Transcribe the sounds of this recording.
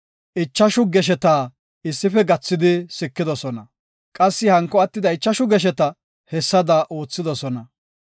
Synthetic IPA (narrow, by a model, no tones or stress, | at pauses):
ʔɪt͡ʃːɐʃʊɡɛʃ̬ɛt̪aː | ɪsːɪfɛɡɐt͡sːɪd̪ɪsɪkːɪd̪ɔsɔnɐ | kʼɐsːɪhɐŋkːɔɐt̪ːɪd̪ɐɪt͡ʃːɐʃʊɡɛʃ̬ɛt̪ɐ | hɛsːɐd̪ɐʔo̞ːt͡sːɪd̪ɔsɔnɐ